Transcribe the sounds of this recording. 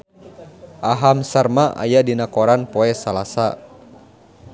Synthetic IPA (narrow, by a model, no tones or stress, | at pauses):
ʔaɦamsərmaʔa̰jadinakɔɾanpɔɛsalasa